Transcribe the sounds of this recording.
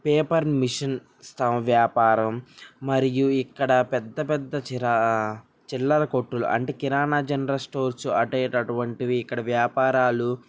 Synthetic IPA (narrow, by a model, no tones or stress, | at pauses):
peːpɐɾmiʂɐn | st̪ɐʋjaːpaːɾɐmːɐɾijuikːɐɽɐpɛd̪ːɐpɛd̪ːɐ | t͡ʃilːɐɾɐkoʈːulṵʔɐ̰ɳʈeːkiɾaːnaːd͡ʒɐnɾɐlsʈo̞ːɾsuɐʈeːʈɐʈuʋɐɳʈiʋiːkːɐɽɐʋjaːpaːɾaːlu